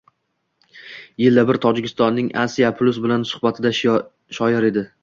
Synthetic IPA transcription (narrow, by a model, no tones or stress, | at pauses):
jɪlːabɪɾt̪ʰɒd͡ʒɪkʲʰɪst̪ɒnːɪŋʔa̰sijapʰlˠʊsbɪlansʊ̥hbat̪ʰɪd̪a | ʃɒjɪɾe̞d̪ɪ